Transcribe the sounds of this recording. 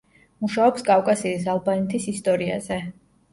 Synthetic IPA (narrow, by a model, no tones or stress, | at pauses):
muʃaɔpskʼafkʼasiːsalˠbanɛt̪ʰisist̪ʼɔɾia̰z̥ɛ